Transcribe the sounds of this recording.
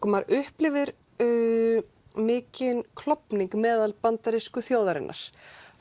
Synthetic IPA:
kmaɾʏhplɪvɪɾ | mɪːcɪnkʰlɔpniŋkmɛːðalpant̪aɾɪskʏθjoːwðaɾɪ̰nːʔa̰ɾ̥

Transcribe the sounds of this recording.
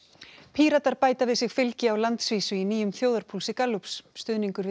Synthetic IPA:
pʰiːɾat̪aɾpaːjt̪avɪðsɪɣfɪlcɪawlant̪sviːsʏiniːjʏmθjoːwðaɾ̥pʰulsɪkalːupsːt̪ʏðniŋkʏɾ

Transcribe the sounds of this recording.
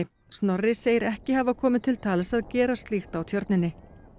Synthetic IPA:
ɪ | st̪nɔrːɪseːjɪɾɛhcɪhavakʰɔːmɪðt̪ʰɪlt̪ʰaːlɛsaðcɛːɾast̪lixt̪awt̪ʰjœɾt̪nɪnːɪ

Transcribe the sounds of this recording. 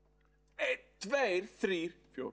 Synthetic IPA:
et̪ʰvejɾ̥θɾiːɾ̥fjoː

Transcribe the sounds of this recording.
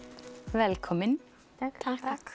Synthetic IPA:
ʋɛlkʰɔmənʰ

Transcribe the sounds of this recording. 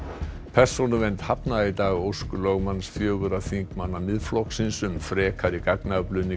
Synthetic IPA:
pʰɛr̥sownʏvent̪hapnait̪aːɣowskʏlɔɣmanːsfjœːɣʏɾaθiŋkmanːamɪðflɔhksɪnsʏmfɾɛːkʰaɾikaknaplʏnɪ

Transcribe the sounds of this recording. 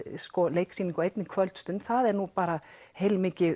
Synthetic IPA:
skɔlejksiːniŋkɔejt̪nɪkʰvœlt̪st̪ʏnt̪θaðɛɾnupaːɾa | hejlmɪːcɪ

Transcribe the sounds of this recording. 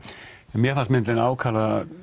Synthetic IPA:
ɛnmjɛɾθansmɪnt̪lɪnaːwkʰaːla

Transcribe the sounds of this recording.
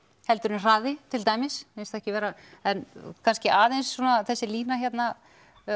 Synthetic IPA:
hɛlt̪ʏɾnr̥aːðɪt̪ʰɪlt̪aːjmɪsenst̪ɛhcɪvɛːɾaɛnkʰanscɪaːðejnsːɔnaθɛsːɪliːnaçɛt̪na

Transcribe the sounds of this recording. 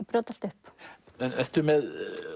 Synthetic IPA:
pɾoːt̪al̥t̪ʏhp | ɛnɛst̪ʏmɛð

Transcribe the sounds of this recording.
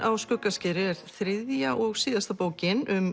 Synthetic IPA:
awskʏkːascɪːɾɪɛɾ̥θɾɪðjaʔɔɣsiːðast̪apoːwcɪnʏm

